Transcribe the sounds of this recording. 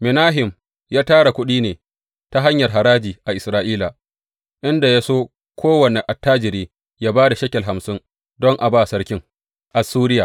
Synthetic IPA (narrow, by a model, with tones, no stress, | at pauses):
mɪ˨naː˦ɦɪ˨m | jaː˦taː˦ɽa˨kʷʊ˦ɗiː˦neː˨ | ta˦ɦa˦ɲjɐ˨rɦa˨ɾaː˦d͡ʒiː˨ʔa˨ʔɪ˨sɾaː˦ʔiː˦la˨ | ʔɪ˦nda˨ja˦soː˦ | kʷʰoː˦wɐ˨ne˨ʔa˨tːaː˦d͡ʒɪ˨ɾeː˦ | jaː˦baː˦da˨ʃɐ˦kʲɛ˨ɦa˨msɪ˦ŋ | dɔ˦ŋʔa˨baː˦˨sɐ˦rkʲɪ˦ŋ | ʔa˨suː˦ɾɪ˦jaː˨